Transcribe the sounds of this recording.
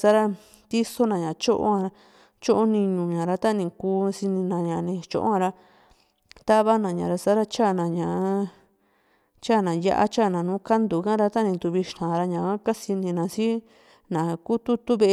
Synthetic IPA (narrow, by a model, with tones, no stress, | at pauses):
sa˦ɾa˧ | t̪i˦so˦nã˨˧ɲã˨t͡ʃo˦ʔo̰˦hã˧ɾa˧ | t͡ʃo˦ʔo˦nĩ˧ɲũ˨ɲã˨ɾa˧t̪a˦nĩ˧˨kuː˧˦si˧nĩ˧nã˨ɲã˨nĩ˧t͡ʃo̰˧ʔo̰˦ã˧ɾa˧ | t̪a˦βa˦nã˨ɲã˨ɾa˧sa˦ɾa˧t͡ʃa˦˨nã˨ɲã˨˦ | t͡ʃa˦˨nã˨ja̰˧ʔa̰˦t͡ʃa˦˨nã˨nũː˨˦ka˦nd̪u˨˧kã˦ɾa˧t̪a˦nĩ˧d̪u˧βi˧ʃt̪ã˨ɾa˧ɲã˨a˦ka˦si˧nĩ˧nã˨˧si˦ | nã˨ku˦t̪u˦t̪u˦βe˧